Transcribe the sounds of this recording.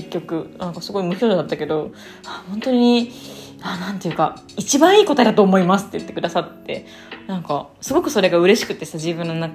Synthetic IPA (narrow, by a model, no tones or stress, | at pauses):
ekʲːo̞kɯ̟nãŋkasɨɡo̞imɯ̟çʲo̞ːd̪d̪at̪ːake̞d̪o̞ | ahõ̞nt̪o̞ɲ̟i̟i | anãnt̪e̞jɯ̟ka | it͡ɕibãɰ̃iːko̞t̪ad̪at̪o̞ːmo̞imasɨ̥t̪ːejɯ̟t̪ːe̞kɯ̟d̪asat̪ːe̞ | nãŋka | sɨɡo̞kɯ̟so̞ɾe̞ɡaɯ̟ɾe̞ɕi̥kɯ̟t̪ːesad͡ʑibɯ̟̃nonakː